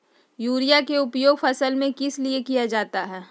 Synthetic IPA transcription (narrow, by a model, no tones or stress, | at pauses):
juːɾijakeʊpjoːɡfɐsəlmẽkɪsliekijad͡ʒaːt̪aɦɛː